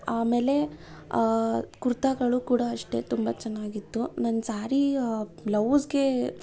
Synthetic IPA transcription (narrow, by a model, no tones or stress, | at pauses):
aːme̞ːle̞ | kuɾt̪ɐɡɐɭukuːɽɐːʂʈe̞̰ːt̪umbɐt͡ʃɛnːaːɡit̪ːunɐnːsaːɾilɐʋsɡe̞